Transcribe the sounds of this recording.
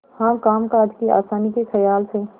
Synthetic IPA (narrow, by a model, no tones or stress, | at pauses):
hãːkaːmkad̪kia̰ːsaːnikekʰəjaːlse